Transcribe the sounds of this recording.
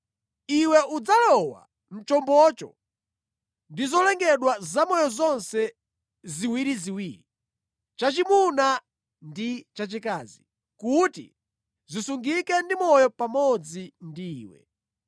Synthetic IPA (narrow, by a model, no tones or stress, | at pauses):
iwɛʔud͡zalɔwa̰ | m̩t͡ʃɔmbɔt͡ʃɔ̰ | ndizɔlɛŋɡɛɗwazamɔjɔzɔnsɛ | ziwiɾiziwiːɾi | t͡ʃat͡ʃimuna | ndit͡ʃat͡ʃikaːzi | kutḭ | zisuŋɡikɛndimɔjɔpamɔd͡zindiːwɛ̰